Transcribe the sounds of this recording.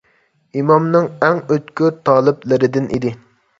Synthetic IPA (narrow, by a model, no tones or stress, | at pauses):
imɑmnɨŋɛŋøt̪kʲyɾt̪ʰɑːlˠɨplˠɨɾɪd̪ɪnʔḭd̪ɪ